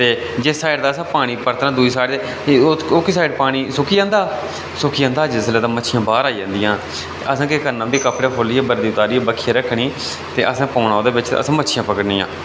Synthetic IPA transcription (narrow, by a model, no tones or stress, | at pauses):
t̪eː | d͡ʒesaːɪɖd̪aːsãːpaːɽ̃iːpəɾt̪nãːd̪uːiːsaːɪɖd̪e | okːsaːɪɖpaːɽ̃iːsʊkiːd͡ʒãːnd̪aː | sʊkiːjãːnd̪aːd͡ʒɪsleːt̪ãːmətːʃʰijãːbaːɾaːid͡ʒãːnd̪ijãː | t̪eʔəsãːkɪkəɾnãːbiːkəpɽeːpʰoːliːeːbəɾd̪iːʊt̪aːɾiːebəkʰːiãːɾəkʰɽ̃iː | t̪eːʔəsãːpɔːnaːoːd̪eːbɪt͡ʃə̰sãːmətːʃʰijãːpəkəɽnĩːã̰ː